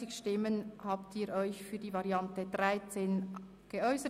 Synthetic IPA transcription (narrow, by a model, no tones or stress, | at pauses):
ɪçʃtɪmənhaːptʰiːɾɔʏçfyːɐdiːvɑɾjɑntəd̥ʁaɪt͡seːn | ɡ̥eœʏsə